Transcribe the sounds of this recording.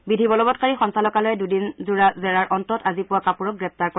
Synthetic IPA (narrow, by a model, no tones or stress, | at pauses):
bidʱibɔlɔbɔt̚kaɹixɔnsalɔkalɔjɛdudinzuɹazɛɹaɹʔɔntɔtazipʊwakapuɹɔk̚ɡɹɛp̚taɹkɔ